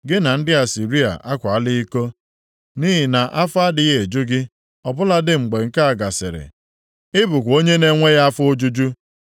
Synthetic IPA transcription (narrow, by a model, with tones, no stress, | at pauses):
ɡɪ˦na˨n̩˦dɪ˦a˨si˨ɾi˦a̰˨ʔa˦kʷa˨a˦lɪ˦i˦ko˦ | ni˦ɦɪ˨na˨ʔa˦fa˦dɪ˨ɣe˨d͡ʒu˦ɡɪ˦ | ɔ˨bʊ˦la˦dɪ˦ŋ͡m̩˨ɡ͡be˨ŋ̩˨ka˦a˨ɡa˨sɪ̰˨ɾɪ̰˨ | ɪ˦bʊ˨kʷo˦ɲe˦ne˦ŋʷe˦ɣa˦a˦fʊ˦o˦d͡ʒu˦d͡ʒu˦